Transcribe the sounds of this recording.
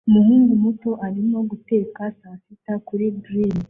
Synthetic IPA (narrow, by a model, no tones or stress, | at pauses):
umuhuːŋɡumuto̞ʔaɾimo̞ɡute̞ːkasasitakuɾiɡɾiːn